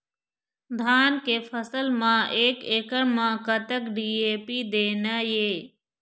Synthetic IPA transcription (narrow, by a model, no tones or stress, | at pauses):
d̪ʱaːnkeːpʰəsəlmãːʔeːkeːkəɳmãːkət̪əkɖiːeːpiːd̪eːnəjeː